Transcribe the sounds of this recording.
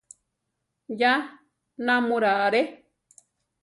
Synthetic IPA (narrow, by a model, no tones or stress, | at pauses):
ja | nãmũɾaʔaɾe